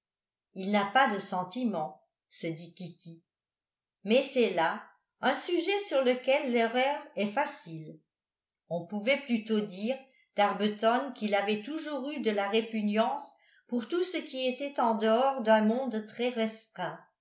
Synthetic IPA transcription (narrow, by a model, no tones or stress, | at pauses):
ilnapad̪əsɑ̃t̪imɑ̃ | səd̪ikʲit̪i | mɛsɛla | ɛ̃syʒɛsyʁləkʲɛlːɛʁœːʁɛfasil | ɔ̃puvɛplyt̪od̪iːʁ | d̪̥aʁbət̪ɔnkilavɛt̪uʒuːʁyd̪əlaʁepynjɑ̃s | puʁt̪usəkʲiet̪ɛt̪ɑ̃d̪əɔʁd̪œ̃mɔ̃d̪t̪χɛʁɛst̪χɛ̃